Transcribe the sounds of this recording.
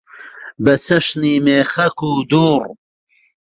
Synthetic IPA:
bɐt͡sʰɐʃniːmeːχɐkuːd̪uːr

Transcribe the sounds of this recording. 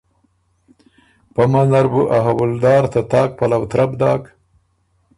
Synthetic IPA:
pamanaɾbuʔaɦawʊld̪ɑːɾt̪at̪ɑːk̚palawt̪ɾabd̪ɑːk

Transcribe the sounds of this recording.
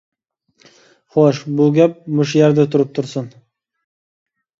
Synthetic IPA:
χoʃbʊɡʲap̚mʊʃjaɾd̪ɪt̪ʰʊɾɪp̚t̪ʰʊɾsʊn

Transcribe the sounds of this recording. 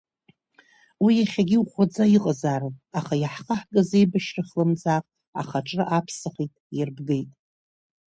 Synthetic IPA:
wijaχʲaɡʲɪuχʷad͡zaiqʼzaɾɨaχajaħχaħɡaze̞jbaʃrɨχʲlɨmd͡zaqʼ | a̰χaʈ͡ʂʼrɨʔapʰsɨχitʼjɪrbɡejtʼ

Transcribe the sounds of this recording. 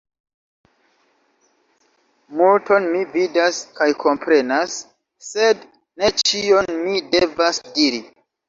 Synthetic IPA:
multo̞nmividaskajkʰo̞mpɾe̞nasː | e̞d | ne̞t͡ʃio̞nmide̞vasdiɾi

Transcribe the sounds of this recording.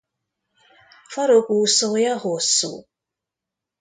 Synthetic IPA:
faɾokʷusɔjahosṵ

